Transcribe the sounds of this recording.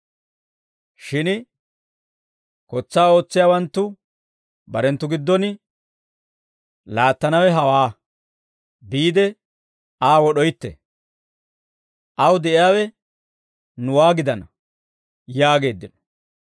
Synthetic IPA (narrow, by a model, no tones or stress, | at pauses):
ʃɪn | kɔt͡sːaːo̞ːt͡sːɪjaːwɐnt̪ːʊ | bɐɾɛnt̪ːʊɡɪd̪ːɔnɪ | laːt̪ːɐnɐwɛɦɐwaː | biːd̪ɛ | aːwɔɗɔjt̪ːɛ̰ | ʔɐwd̪ɛʔɪjaːwɛ | nʊwaːɡɪd̪ɐnɐ | jaːɡe̞ːd̪ːɪnɔ̥